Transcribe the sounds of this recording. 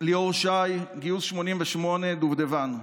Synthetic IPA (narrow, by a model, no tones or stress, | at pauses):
lioʁʃajɡiusʃmo̞nimveʃmo̞ne̞d̪uvd̪evan